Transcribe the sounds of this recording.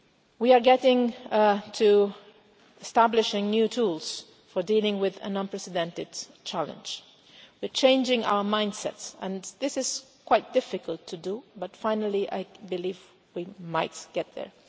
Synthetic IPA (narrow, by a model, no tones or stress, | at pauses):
wiə˞ɡɛɾɪ̃ŋtʰu | ɪstæblɪʃɪ̃ŋnjutʰulˠz̥ | fə˞dilˠɪ̃ŋwɪðɨ̰̃nə̃npʰɹ̥ɛsɨdɛ̃ntɨd̥̚t͡ʃʰælˠə̰̃nd͡ʒ̥ | wiɹt͡ʃʰẽɪ̃nd͡ʒɪ̃ŋa̰ʊə˞mãɪ̃nd̥sɛ̰tsɨ̃nðɪsɨz̥kʰw̥aɪt̚d̥ɪfɨkəlˠtʰɨdəbʌtfãɪ̃nəl̩ˠiʔa̰ɪbɨliv | wimaɪt̚ɡ̥ɛt̪̚ðə̰˞